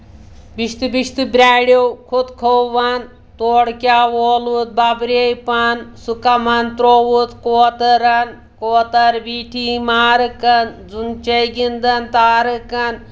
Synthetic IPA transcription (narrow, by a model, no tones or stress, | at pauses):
biʃt̪ibiʃt̪ibɾʲaːɽowkʰod̪kʰoʋan | t̪oːɽkjaːʋoːlut̪̚babɾejpansukɐmɐnt̪ɾoːwut̪koːt̪ɐɾɐn | koːt̪ɐɾbiːʈʰiːmaːɾɨkɐnd͡zunt͡ʃɐjɡind̪ɐnt̪aːɾɨkɐn